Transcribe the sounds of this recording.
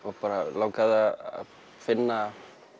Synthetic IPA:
ɔɣpaːɾalawkaða̰ | fɪnːa

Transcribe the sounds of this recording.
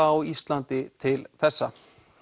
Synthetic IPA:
awist̪lant̪ɪt̪ʰɪlθɛsːa̰

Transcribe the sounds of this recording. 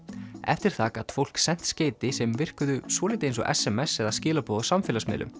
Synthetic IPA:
ɛ̰ft̪ɪɾ̥θaːkaðfowl̥ksɛn̥t̪sceːjt̪ɪsɛmvɪr̥kʏðʏsvɔːɪt̪ɪejnsɔ̰ʔɛ̰sɛmɛsɛðascɪːlapɔːðɔsamfɪːlasmɪ̰ːlʏ̰m

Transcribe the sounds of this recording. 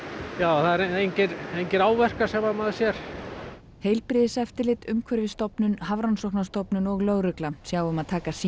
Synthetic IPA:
jaːwθaðɛɾejɲcɪɾejɲcɪɾaːwvɛr̥kasɛmaðmaðsjɛɾ̥ | heːjlpɾɪðɪsɛft̪ɪɾlɪt̪ʏmkʰvœɾvɪst̪ɔpnʏnɦavɾansɔhknast̪ɔpnʏnɔɣlœɣɾʏklasjaːwʏmaðt̪ʰaːkasi

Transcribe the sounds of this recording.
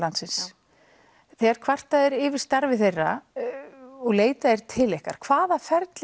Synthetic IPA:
lant̪sɪns | θɛːɣaɾ̥kʰvar̥t̪aðɛɾɪːvɪɾ̥st̪aɾvɪθejrːa̰ | ɔɣleːjt̪aðɛɾ̥t̪ʰɪlehka̰ɾ̥kʰv̥aːðafɛɾt̪l

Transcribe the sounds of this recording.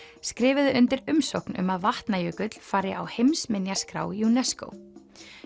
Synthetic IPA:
skɾɪːvɪðɪʏnt̪ɪɾʏmsowknʏ̰maðvaht̪najœːkʏt̪l̥faːɾɪawhejmsmɪnjaskɾa̰ːwjunɛsko̰w

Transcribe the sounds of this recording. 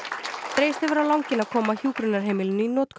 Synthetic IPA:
t̪ɾeːjst̪ɪvɛɾawlawŋcɪnaðkʰɔːmaçjuːkɾʏnaɾ̥ɦeːjmɪlɪnʏinɔːt̪kʰ

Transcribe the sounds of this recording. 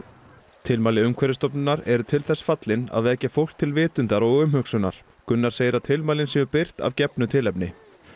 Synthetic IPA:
t̪ʰɪlmaːlɪʏmkʰvɛɾɪst̪ɔpnʏnːaɾɛɾʏt̪ʰɪlθɛsfat̪lɪna̰ðvɛːcafowl̥t̪ʰɪlvɪːt̪ʏnt̪aɾɔɣʏmhʏksʏna̰ɾ̥ | kʏnːḁseːjɾat̪ʰɪlmaːlɪnsɛmʏpɪr̥t̪a̰vcɛpnʏt̪ʰɪlɛpnɪ

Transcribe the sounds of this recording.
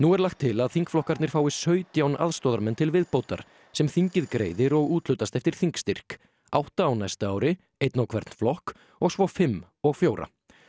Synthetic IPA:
nuɛɾlaxt̪ʰːɪlaðθiŋkflɔhkaɾt̪nɪɾ̥faːwvɪsœːɥt̪jawnʔa̰ðst̪ɔːðaɾmɛnt̪ʰɪlvɪðpoːwt̪a̰ɾ̥ | sɛmθiɲcɪðkɾḛːjðɪɾɔɣuːt̪lʏt̪ast̪ɛft̪ɪɾ̥θiŋkst̪ir̥k | a̰wht̪aːwnajst̪aaːwɾɪ | ejt̪nawkʰvɛɾt̪n̥flɔhk | ɔɣsvɔfɪmː | ɔɣfjoːwɾa̰

